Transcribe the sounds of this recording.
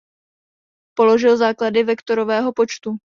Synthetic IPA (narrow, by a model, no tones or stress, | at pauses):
po̞lo̞ʒɪlzaːkladɪvɛkt̪o̞ɾo̞vɛːɦo̞po̞t͡ʃt̪u